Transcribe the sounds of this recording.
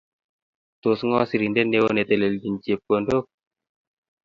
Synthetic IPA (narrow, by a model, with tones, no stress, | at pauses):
t̪o˨sŋɔ˦si˨ɾi˨nde˦nːe˦wo˦ne˨t̪e˨le˨ldi˨nd͡ʒie˨p̚ko˨ndo˦k̚